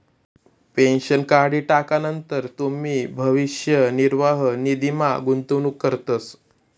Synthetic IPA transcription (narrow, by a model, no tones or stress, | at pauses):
penɕənkaɽiːʈakanənt̪əɾt̪um̤iːbʱəʋiɕjəniɾʋaɦnid̪imaɡunt̪unuːkːəɾt̪əs